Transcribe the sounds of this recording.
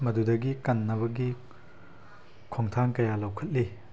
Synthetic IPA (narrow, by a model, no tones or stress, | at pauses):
mɐdudɐɡikɐnːɐβɐɡi | kʰoŋtʰaŋkɐjalɐwkʰɐt̚li